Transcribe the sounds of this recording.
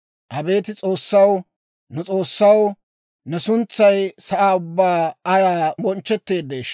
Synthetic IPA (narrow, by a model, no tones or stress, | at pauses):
ʔɐbe̞ːt̪ɪt͡sʼoːsːɐw | nʊt͡sʼo̞ːsːɐw | nɛsʊnt͡sːɐjsɐʔaːʊbːaːɐɾaːbɔnt͡ʃːɛt̪ːe̞ːd̪ːeːʃ